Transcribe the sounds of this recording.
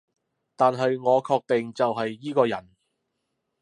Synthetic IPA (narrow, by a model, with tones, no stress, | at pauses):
t̪aː˨nɦɐ˨jŋɔː˨˧kʰɔː˧k̚t̪e˨ŋt͡sɐ˨wɦɐ˨jːiː˥kɔː˧jɐ˨˩n